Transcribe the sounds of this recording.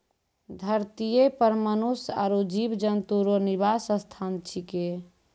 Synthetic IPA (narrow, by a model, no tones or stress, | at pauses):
d̪ʱəɾt̪ijepəɾmənusa̰ɾud͡ʒibd͡ʒənt̪uɾoniβasəst̪ʰant͡ʃʰike